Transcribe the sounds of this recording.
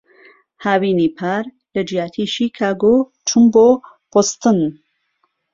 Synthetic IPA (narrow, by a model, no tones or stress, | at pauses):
haːwiːnipʰaːɾ | lɐd͡ʒijaːt̪ʰiːʃiːkʰaːɡoː | t͡ʃʰumboː | post̪ɨn